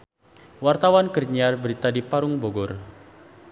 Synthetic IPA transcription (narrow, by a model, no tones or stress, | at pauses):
wart̪awankərɲiarbəɾit̪adipaɾʊŋboɡɔr